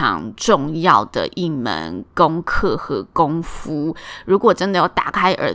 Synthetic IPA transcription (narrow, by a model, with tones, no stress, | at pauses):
ɑ̰˧˥ŋʈ͡ʂʊ˥˧ŋjɑ˥˨˩ʊd̪̥ə̰˨˩ʔi˥˩mə̰˧˦nkʊ˥ŋkʰɤ˥˩xɤ˧˥kʊ˦˥ŋfu˦˥ɻu˧˥kwɔ˨˩ʈ͡ʂə˦nd̪ə˨jɑ˥˩ʊt̪a̰˨˩kʰa˥ɪʔə̰˨˧˥